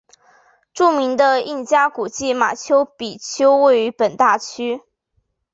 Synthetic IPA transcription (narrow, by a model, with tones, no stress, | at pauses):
ʈ͡ʂu˥˩mi˧˥ŋd̪ə˧i˥˩nt͡ɕja˥ku˨˩t͡ɕi˥˩ma̰˨˩t͡ɕʰjo˥ʊpi˨˩t͡ɕʰjo˥ʊwe˥˩ɪy˧˥pə˨˩nt̪a˥˩t͡ɕʰy˥